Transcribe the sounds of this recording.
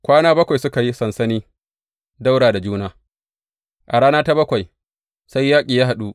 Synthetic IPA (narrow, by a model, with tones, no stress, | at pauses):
kʷaː˦naː˦bɐ˦kʷa˨jsʊ˦ka˨ji˦sɐ˨nsɐ˦niː˦ | da˦wɽaː˨da˨d͡ʒuː˦naː˦ | ʔa˨ɾaː˦naː˦ta˦bɐ˦kʷa˨j | sa˦jːaː˦kʲʼiː˨jaː˦ɦa˨ɗu˦ʔ